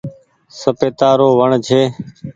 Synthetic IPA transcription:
səpeːt̪aːɾoːʋəɳd͡ʒʱʰeː

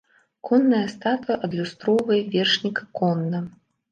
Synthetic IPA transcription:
kʰɔnːɐjɐst̪at̪jɐʔɐd̪lʲust̪ɾɔvɐjvʲɛrʂnʲikɐkɔnːɐ

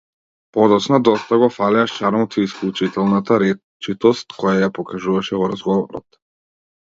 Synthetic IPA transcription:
pɔd̪ɔt͡ʃnad̪ɔst̪aɡɔfalɛaʃt͡ʃaɾmɔt̪iːsklˠut͡ʃit̪ɛlˠnat̪aɾɛ | t͡ʃit̪ɔst̪kʰɔjajapɔkaʒuvaʃɛvɔɾazɡɔvɔɾɔ̰t̪

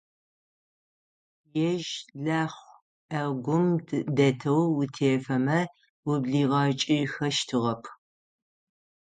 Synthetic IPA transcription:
jɛʒɮaːχʷ | ʔɐɡʷʊmʰdɐtʰɐwːʊtʰeːfɐmɐ | wʊbɮiːʁɐt͡ʃʼixɐʃtʰɨʁɐpʰ

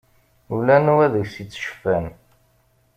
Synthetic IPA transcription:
ulænuwæðəʝsit͡sːʃə̥fːæn

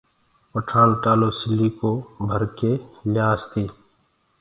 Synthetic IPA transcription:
əʈʰaːnʈaːloːsɪlːiːkobʱəɾkeljaːst̪iː

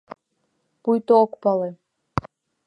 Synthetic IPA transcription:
pujt̪ookpɑlˠe

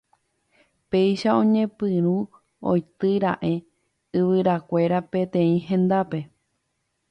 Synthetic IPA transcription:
pe̞jʃaõ̞ɲẽ̞pɨ̃ɾ̃ũ | o̰jt̪ɨɾa̰ʔe̞ | ɨʋɨɾakʷe̞ɾape̞t̪ẽ̞ĩɦẽ̞nd̪ape̞

